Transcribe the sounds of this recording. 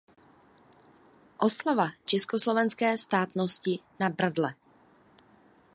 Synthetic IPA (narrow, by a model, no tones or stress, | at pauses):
ʔo̞slavat͡ʃɛskoslo̞vɛnskɛːst̪aːt̪noscɪnabɾadlɛ